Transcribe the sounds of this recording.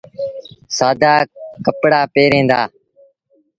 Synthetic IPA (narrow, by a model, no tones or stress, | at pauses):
saːd̪aːkəpɽaːpeːɾẽːnd̪aː